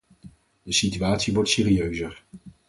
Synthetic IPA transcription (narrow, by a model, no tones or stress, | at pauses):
dəsityaːtsiʋɔɹtseːɾiøɥzəɹ